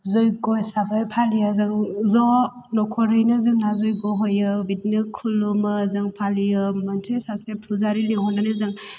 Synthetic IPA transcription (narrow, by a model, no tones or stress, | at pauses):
zɯjɡɔjsabajpʰalijɯzaŋzɔ | nɔkʰɔɾɯjnɯzɯŋnazɯjɡɔɦojɯbitnɯkʰulumɯzɯŋpʰaliɯmantʰesasepʰɾuzaɾiliŋɦɔnanɯzaŋ